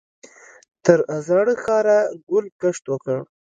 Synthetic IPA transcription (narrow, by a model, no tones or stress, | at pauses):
t̪əɾazɑɽəxɑɾaɡʊlkəʂt̪wəkəɽ